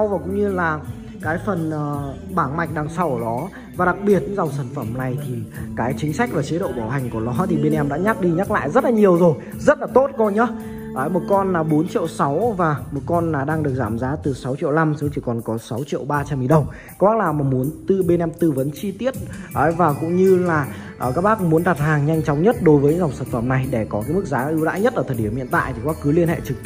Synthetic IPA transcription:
a˧wvaː˨˩kʊ̰˧˥ŋ͡mɲɨ˧laː˨˩ | kaː˨˦jfə˨˩nʔəː˨˩ | ɓaː˧˩ŋma˨˩jk̟̚ɗaː˨˧˩ŋsa˧˩wɗɔ˨˦ | vaː˨˩ɗa˨˩k̚ɓi˨˩ət̚za˨˩wsaː˧˩nfə˧˩mna˨˩jt̪ʰi˨˩kaː˨˦jt͡ɕï˨˦ŋ̟sa˦˥k̚vaː˨˩t͡ɕe˨˦ɗo̰˧˨ɓaː˧˩wɦa˨˩jŋ̟ku˧˩əlɔ˨˦t̪ʰi˨˩ɓe˧nʔɛ˧mɗa̰ː˧˥ɲa˦˥k̚ɗi˧ɲa˦˥t̚la̰ː˧˨jzə˦˥t̚laː˨˩ɲi˨˩əwzo˨˩j | zə˦˥t̚laː˨˩t̪o˦˥t̚kɔ˧ɲə˨˦ | ʔəː˨˧˩jmo˨˩t̚kɔ˧nːaː˨˩ɓo˨˦nt͡ɕḭ˧˨əwsa˨˦wvaː˨˩mo˨˩t̚kɔ˧nːaː˨˩ɗaː˧ŋɗɨ˨˩ək̚zaː˧˩mzaː˨˦t̪ɨ˨˩sa˨˦wt͡ɕḭ˧əwla˧msə˨˦ŋ͡mt͡ɕi˧˩kɔ˨˩nkɔ˨˦sa˨˦wt͡ɕḭ˧˨əwɓaː˧t͡ɕa˧mi˧˩ɗə˨˩wŋ͡m | kwaː˦˥k̚laː˨˩maː˨˩mu˨˦ənt̪ɨ˧ɓe˧nʔɛ˧mt̪ɨ˧˩və˨˦nt͡ɕi˧t̪i˦˥ət̚ʔəː˨˩˦jvaː˨˩kʊ̰˧˥ŋ͡mɲɨ˧laː˨˩ | ʔəː˨˩kaː˦˥k̚ɓaː˦˥kŋ͡mmu˨˦ənɗa˨˩p̚haː˨˩ŋɲa˧jŋ̟t͡ɕɔ˨˦wŋ͡mɲə˦˥t̚ɗo˨˦jvəː˨˦jɲɨ̰˧˥za˨˩ŋ͡msəaː˨˩nfə˧˩mna˨˩jɗe˧˩kɔ˨˦kaː˨˦jmɨ˦˥k̚zaː˨˦ʔɨ˧wɗa̰ː˧˥ɲə˦˥t̚ʔəː˧˩t̪̚ʰɗi˧˩əmhḭ˧˨ənt̪a̰ː˧˨jt̪ʰi˨˩kwaː˦˥k̚ɨ˨˦li˧ənhḛ˧˨t͡ɕɨ˨˩k̪̚

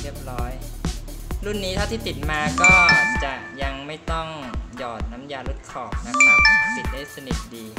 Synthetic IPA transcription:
ɾi˥˩əp̚ɾɔː˦˥j | ɾu˥˩nːiː˦˥t̪ʰa˥˩wt̪ʰiː˥˩t̪i˨˩t̪̚maː˧kɔː˥˩t͡ɕa˨˩ | ja˧ŋma˥˩jt̪ɔ˥˩ŋjɔː˨˩t̪̚naː˦˥mjaː˧lu˦˥˩t̪̚kʰɔː˨˩p̚na˦˥maː˨˩si˨˩t̪̚daː˥˩jsa˧ni˨˩t̪̚diː˧

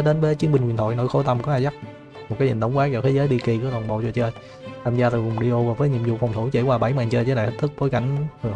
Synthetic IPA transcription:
ɗe˨˦nvəː˨˦jt͡ɕi˨˦əŋɓï˨˩ŋwnt̪ʰo̰˧˨jno̰˧˥˦jxo˧˦jt̪a˧mkɔ˨˧˦ʔaː˧˩jza˦˥k̚ | mo˨˩t̚kaː˨˦ɲḭ˨˩nɗ̪wŋ͡mkwaː˦˥k̚zɔː˧˩t̪ʰe˨˦zəː˨˦jɗi˧ki˧˩kɨ˨˦laː˨˩ŋɓo̰˧˨t͡ɕɔ˧t͡ɕəː˧j | t̪ʰaː˧mzaː˧t̪ʰɨ˨˩vʊ˨˩ŋ͡mɗi˧ʔo˧vaː˨˩vəː˨˦jɲi˧˨əmzṵ˧˨fa˨˩ŋ͡mt̪ʰu˧˦t͡ɕe˧˩kwaː˧˩ɓa˧˩˦jmaː˨˩ŋt͡ɕəː˧t͡ɕəː˧˦aː˨j̪ʰt̚t̪ʰɨ˦˥k̚ɓo˨˦jka̰˧˩jŋ̟˨˩

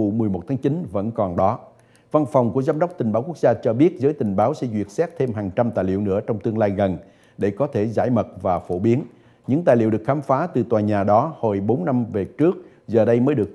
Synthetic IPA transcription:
u˧˩mɨ˨˩əjmo˨˩t̪̚ʰaː˨˦ŋt͡ɕi˨˦nvə̰˧˥nkɔ˨˩nɗɔ˨˦ | va˧nfɔ˨˩wŋ͡mku˧˩əzaː˨˧˦mɗə˦˥wk͡p̚t̪ï˨˩ŋ̟ɓaː˨˦wku˦˥k̚zaː˧t͡ɕɔ˧ɓi˦˥ət̚zəː˨˦jt̪ï˨˩ŋ̟ɓaː˨˦wsɛ̰˧˥zwḭ˨˩ət̚sɛ˦˥t̚t̪ʰe˧mɦaː˨˩ŋt͡ɕa˧mt̪aː˨˩jlḭ˧˨əwnɨ̰˧˥ət͡ɕɔ˧wŋ͡mt̪ɨ˧əŋlaː˧jɣə˨˩n | ɗe˧˩kɔ˨˦t̪ʰe˧˩za̰ː˧˩jmə˨˩t̚vaː˨˩fo˧˩ɓi˨˦ən | ɲɨ̰˧˥ŋt̪aː˨˩jlḭ˧˨wɗɨ˨˩ək̚xaː˨˦mfaː˨˦t̪ɨ˨˩t̪waː˨˩ɲaː˨˩ɗɔ˨˦ho˧˨˩jɓo˨˦nːa˧mve˨˩t͡ɕɨ˦˥ək̚ | zəː˨˩ɗə˧jməː˨˦jɗɨ˨˩ək̚

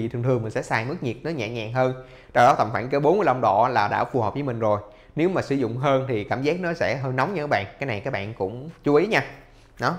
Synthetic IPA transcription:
i˨˩t̪ɨ˨˩ŋt̪ɨ˨˩əŋmï˨˩ŋ̟sɛ̰˧˥saː˧jmɨ˦˥k̚ɲi˨˩t̚nɔ˨˦ɲa̰ː˧˨˩ɲa̰ː˨˩ŋɦəː˧n | t͡ɕɔ˧wɗɔ˨˦t̪ʰə˨˩mŋ͡mfaː˧˩nkə˧˨˧wɓo˨˦nməː˨˦ʔə˧wŋ͡mɗɔ̰˧laː˨˩ɗa̰ː˧˥fu˧˩hə˨˩p̚vəː˨˧˦mï˨˩ŋ̟zo˨˩j | ne˨˦wmaː˨˩sɨ̰˧˩zʊ̰˧˨ŋ͡mɦəː˧nt̪ʰi˨˩kaː˧˩mzaː˦˥k̚nɔ˨˦sɛ̰˧˥ɦəː˧jnɔ˨˦wŋ͡mɲː˧˨˦jɓa̰ː˧˨nkaː˨˦jna˨˩jkaː˦˥k̚ɓa̰ː˧˨nkʊ̰˧˥ŋ͡mt͡ɕu˨˦ʔi˨˦ɲaː˧ | ɗɔ˨˦

